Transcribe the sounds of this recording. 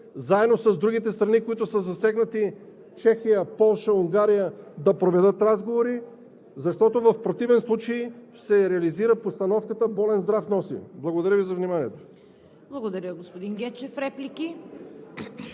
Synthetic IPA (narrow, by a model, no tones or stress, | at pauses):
zaɛd̪nosɐzd̪ɾuɡ̟it̪ɛst̪ɾɐnikoit̪ʊsəzɐsɛɡnɐt̪i | t͡ʃɛxijəpɔlˠʃəuŋɡaɾijəd̪ɐpɾovɛd̪ət̪ɾazɡovoɾi | zɐʃt̪ɔt̪ovɐfpɾot̪ivɛnslˠut͡ʃəj | sɛɾɛɐliziɾəpost̪ɐnɔfkət̪əbɔlɛnzd̪ɾafnɔsḭblˠɐɡod̪ɐɾʲəvizɐvnimaniɛt̪o | blˠɐɡod̪ɐɾʲəɡospod̪iŋɡʲɛt͡ʃɛfɾɛpliki